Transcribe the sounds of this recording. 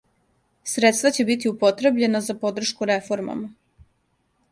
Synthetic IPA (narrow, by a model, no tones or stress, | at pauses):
sɾet̪st̪vat͡ɕe̞bit̪̬iupo̞t̪ɾe̞bʎe̞nazapo̞d̪r̩ʃkuɾefo̞ɾma̰ma